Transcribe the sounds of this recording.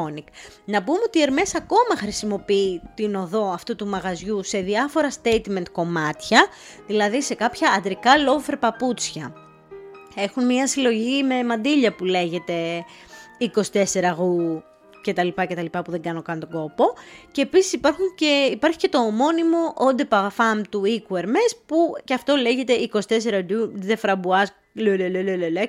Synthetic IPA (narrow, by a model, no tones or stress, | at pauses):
oniknɐpumeo̞t̪ie̞ɾme̞sɐko̞mɐxɾisimo̞piit̪ino̞ðo̞ɐft̪ut̪umɐɣɐzʝuse̞ðiɐfo̞ɾɐst̪e̞jt̪me̞nt̪̚ko̞mɐt̪çɐ | ðilɐðise̞kɐpçɐːd̪ɾikɐlo̞feɾpɐput͡sçɐ | e̞xunmɲɐsilo̞ʝime̞mɐnd̪iʎɐpule̞ʝe̞t̪e̞ | iko̞si̥t̪e̞se̞ɾɐɣu | ce̞t̪ɐlipɐcet̪ɐlipɐpuðe̞ŋɡɐno̞kɐnt̪o̞ɡo̞po̞ce̞ːpisi̥sipɐɾxunceipɐɾçi̥cet̪o̞ːmo̞nimo̞ʔond̪epɐfɐmt̪uikueɾmespuceɐft̪o̞le̞ʝe̞t̪e̞iko̞si̥t̪e̞s̬eɾɐd̪uðefɾɐbuɐs | lølelelelele